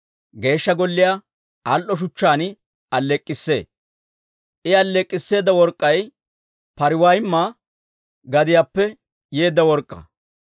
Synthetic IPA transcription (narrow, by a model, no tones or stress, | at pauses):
ɡe̞ːʃːɐɡɔlːɪja | ɐlʔɔʃ̬ʊt͡ʃːaːnɪ | ɐlːɛkʼːɪsːe̞̰ː | ʔɪɐlːɛkʼːɪsːe̞ːd̪ɐwɔɾkʼːɐj | pɐɾɪwaːjɪmːa | ɡɐd̪ɪjaːpːɛ | je̞ːd̪ːɐwɔɾkʼːɐ̰